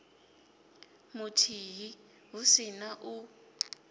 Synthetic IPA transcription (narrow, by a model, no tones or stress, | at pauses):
mutʰiɦi | ɦusinaʔu